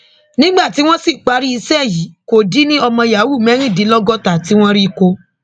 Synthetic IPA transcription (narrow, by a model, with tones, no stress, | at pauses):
nĩ˦ɡ͡ba˦˨ti˨˦w̃ɔ̃˦si˦˨k͡pa˨˧ɾi˦i˧sɛ˦˨ji˨˦ko˨di˨˦nĩ˦ɔ˧mɔ̃˧ja˨wu˦˨mɛ̃˨˦ɾ̃ĩ˦˨di˨˦lɔ˦ɡɔ˦ta˨ti˦w̃ɔ̃˦ɾi˦˧ko˧